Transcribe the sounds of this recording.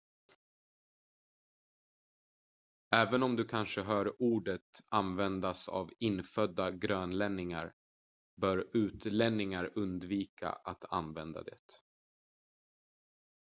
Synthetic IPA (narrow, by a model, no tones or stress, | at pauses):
ɛːvənɔmd̪ɵkʰanʂəɦœːɾuːɖət̪anvɛnd̪asa̰vɪnfœd̪ːaɡɾøːnlɛnːɪŋa̰ɾ | bœːɾʉ̟ːt̪lɛnːɪŋaɾɵnd̪viːkʰa̰ʔat̪ʰa̰nvɛnd̪a̰d̪ɛ̰ːt̪